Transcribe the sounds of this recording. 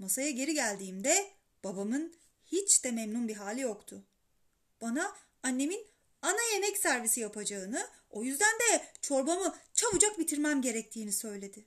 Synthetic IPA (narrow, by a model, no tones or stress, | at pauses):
masajaɟe̞ɾiɟælʲd̪iːmd̪ɛ | b̥abamɯn | hit͡ʃd̪ɛmɛmnunbiɦaːlʲijo̞kt̪ʰʊ | b̥ana | anːe̞min | anaje̞mɛcsæɾvisijapʰad͡ʒaɯnɯ | o̞jyzd̪ænd̪ɛt͡ʃʰo̞ɾbamɯt͡ʃʰavɯd͡ʒak̚bit̪ʰiɾmæmɟe̞ɾɛc̚t̪ʰiːnisø̞jlʲe̞d̪ɪ